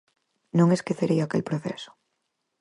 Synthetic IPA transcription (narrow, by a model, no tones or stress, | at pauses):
nõŋeskeθeɾejakḛlpɾoθḛsʊ̥